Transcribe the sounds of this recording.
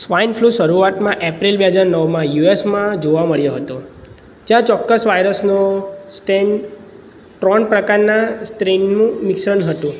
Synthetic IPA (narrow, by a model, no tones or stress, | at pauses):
sʋainfʰluʃəɾuat̪mãʔepɾilbeɦəd͡ʒaɾnəʋmãjuesmãd͡ʒoʋaməɭjoɦət̪o | d͡ʒjãt͡ʃɔkːəsʋajɾəsnosʈen | ʈɾɔnpɾəkaɾnasʈɾennũmiksəɳɦət̪ũ